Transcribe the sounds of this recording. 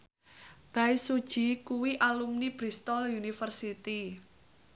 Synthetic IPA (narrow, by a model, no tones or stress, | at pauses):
b̥aisud̥ʒ̥i̤kuwiʔalumnib̥ɾist̪ɔljunifərsit̪i